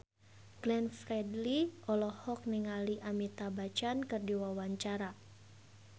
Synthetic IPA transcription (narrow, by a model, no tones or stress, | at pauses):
ɡ̥lɛnfrɛdliɔlɔhɔk̚niŋaliʔamit̪abat͡ʃankɨrdiwawaɲt͡ʃaɾa